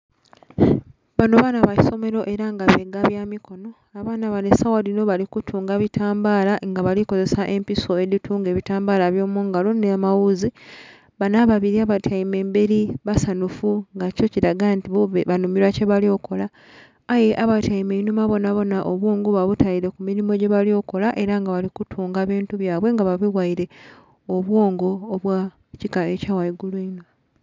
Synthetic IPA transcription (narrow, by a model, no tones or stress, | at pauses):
βano̞βanaβai̥so̞me̞ɾo̞ʔe̞ɾaŋɡaβeɡaβjaːmiko̞no̞ | aβaːnaβanesawalino̞βalikutʰuːŋɡaβitʰaːmbaːlaŋɡaβaliko̞ze̞saʔe̞mpiso̞eðitʰuːŋɡe̞ːβitaːmbaːlaβjo̞ːmuːŋɡalonemawuzi | βanaβaβiɾiaβatʰaime̞ːmbe̞ɾiβasanufuŋɡaco̞ciɾaɡantiββanumiɾwace̞βalio̞ko̞laː | je̞ʔaβataime̞inumaβo̞naβo̞naʔoβwo̞ːŋɡoβaβutajiɾe̞kuminimo̞ɟe̞βaljo̞ko̞laʔe̞ɾaŋɡaβalikutʰuːŋɡaβiːntuβjaːβwe̞ŋɡaβaβiwaiɾe̞ | oβwo̞ːŋɡo̞ːβwa | cikaecaːwajiɡulweino